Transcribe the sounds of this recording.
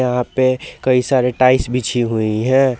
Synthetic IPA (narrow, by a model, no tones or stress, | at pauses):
jɐɦãpekɐisaːɾeʈaːɪsbʱit͡ʃʰiɦuiɦɛ̃ː